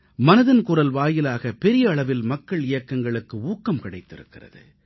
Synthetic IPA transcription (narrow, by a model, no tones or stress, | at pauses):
mɐnɐðɐnkʊrɐlʋaːjɪlaːɣɐpɛɾɪjɐːɭɐʋɪlmɐkːɐɭɪjɐkːɐŋɡɐɭɯkːɯuːkːɐmkɪɽɐɪt̪ːɪɾɯ̰kːɪrɐ̰ðɯ̰